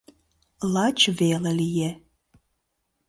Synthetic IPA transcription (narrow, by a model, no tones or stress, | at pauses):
lat͡ʃʰvelɐlijɛ